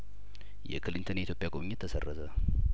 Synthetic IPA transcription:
jɛkʰɨlint̪ʰəneit̪jopʼjakʼoβɲːɪt̪ʰːəsə̰rːət̪ʰə

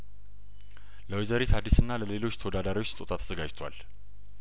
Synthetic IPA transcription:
ləwezəɾet̪ʰad̪ːisɨnːaləle̞lo̞t͡ʃːt̪ʰəwod̪ad̪aɾiwot͡ʃːt̪ʼot̪ʼat̪ʰːə̥zəɡad͡ʒt̪ʰwa̰l

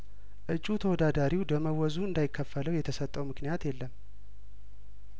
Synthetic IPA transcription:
ʔɨt͡ʃʼːut̪ʰəwɔd̪ad̪aɾiwd̪əməwɔzuɨnd̪ajɪkʰːəfːələwjɛt̪ʰəsət̪ʼːəwmɨknijat̪jɛlːəm

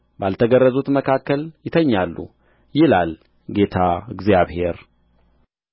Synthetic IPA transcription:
balt̪ʰəɡərːəzut̪məkʰakːəljɪt̪ʰəɲːalːṵ | jɪlal | ɡe̞t̪ʰaɨɡzjaβhe̞ɾ

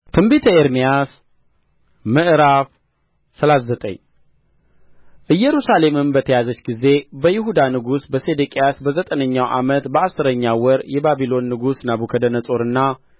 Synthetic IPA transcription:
t̪ʰɨmbit̪ʰəeɾmijas | mɨʔɨɾaf | səlat̪zət̪ʼə̰ɲː | ʔɨjːɛɾusale̞mɨnbət̪ʰəjazət͡ʃːɡize̞bəjɪɦud̪anɨɡusbəsed̪ekʼejasbəzət̪ʼənəɲːawʔa̰mət̪bəasːɨɾəɲːawɔɾjɛbabilo̞nːɨɡusnabukʰəd̪ənət͡sʼo̞ɾɨnːa

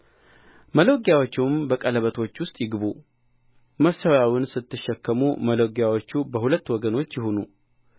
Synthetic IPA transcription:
məloɡjawot͡ʃːuwmbəkʼələβət̪ʰo̞t͡ʃːwʊst̪ʼjɪɡɨβu | məsawjawɪnsɨt̪ːɨʃːɛkːəmuməloɡjawo̞t͡ʃːubəhulət̪ːwɔɡəno̞t͡ʃːjɪhonṵ

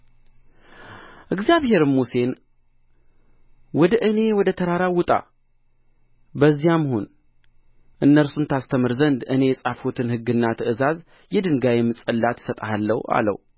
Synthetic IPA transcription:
ʔɨɡzjaβhe̞ɾɨmuse̞n | wɔd̪əʔɨne̞wɔd̪ət̪ʰəɾaɾawʊt̪ʼa̰ | bəzːijaməho̞n | ʔɨnːəɾsunt̪ʰast̪ʰəmɨɾzənd̪ʔɨne̞jɛsʼafot̪ʰɨnhɨɡːɨnːat̪ʰəʔɨzaz | jɛd̪ɨŋɡajɛmɨsʼəlːat̪ʰsət̪ʼahalːə̰wa̰lə̰w

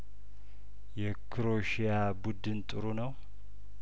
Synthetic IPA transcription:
jɛkʰɨɾoʃijabud̪ɨnt̪ʼɨɾunəw

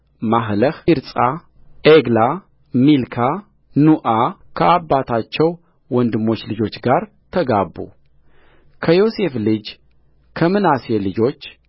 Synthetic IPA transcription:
maɦləhɨɾsʼa | ʔeɡla | milkʰa | nuʔakʰəabːat̪ʰat͡ʃːɛw | wɔnd̪ɨmːo̞t͡ʃːlɨd͡ʒo̞t͡ʃːɡaɾ | t̪ʰəɡabːṵ | kʰəjo̞se̞flɨd͡ʒ | kʰəmɨnaselɨd͡ʒo̞t͡ʃː

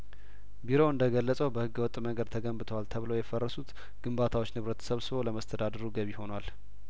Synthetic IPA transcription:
biɾo̞ɨnd̪əɡəlːəsʼəwbəhɨɡːɨwɔt̪ʼːməɡəd̪̚t̪ʰəɡəmbɨt̪ʰəwalt̪ʰəβləwjɛfərːəsut̪ | ɡ̥ɨmbat̪ʰawot͡ʃːnɨβɾət̪ʰə̥səβsɨβo̞ləməst̪ʰəd̪ad̪əɾuɡəβiho̞nwal

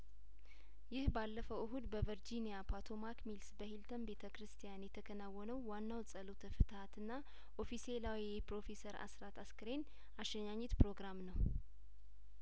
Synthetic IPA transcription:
jɪhbalːəfəwʔɨɦud̪bəvəɾd͡ʒinijapʰat̪ʰo̞makmilsbəhilt̪ʰənbe̞t̪ʰəkɾɨst̪ʰijanjɛt̪ʰəkʰənawːənəwːanːawsʼəlut̪ʰəfɨt̪ʰat̪ɨnːa | ʔofise̞lawji | pɾo̞fe̞səɾa̰sɾat̪ʰaskɨɾen | ʔaʃɛɲaɲːɛt̪pɾo̞ɡɾamnəw

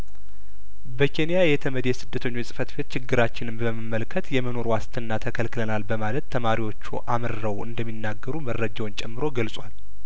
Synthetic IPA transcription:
bəkʰe̞nijajɛt̪ʰəməd̪jɛsɨd̪ːət̪ʰəɲːo̞t͡ʃːsʼɨfət̪be̞t̪t͡ʃɪɡːɨɾat͡ʃːɪnɨmbəmɨmːəlkʰːət̪jɛməno̞ɾwast̪ʰɨnːat̪ʰəkʰəlkɨlənalbəmaləd̪t̪ʰːəmaɾiwo̞t͡ʃːṵʔamɨɾːəwɨ̰nd̪əmːinːaɡːəɾumərːəd͡ʒawnt͡ʃʼɛmːɨɾo̞ɡəlsʼwal

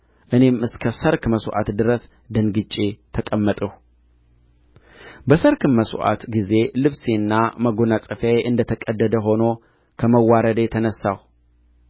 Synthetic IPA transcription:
ʔɨne̞mɨskʰəsəɾkməsʔa̰t̪d̪ɨɾəs | d̪ənɡɨt͡ʃʼet̪ʰəkʼəmːət̪ʼəh | bəsəɾkɨmmːəsʔa̰t̪ɡize̞lɨβsenːaməɡonat͡sʼɨfajʔɨnd̪ət̪ʰəkʼəd̪ːəd̪əɦo̞no̞ | kʰəməwːaɾəd̪t̪ʰənəsːah

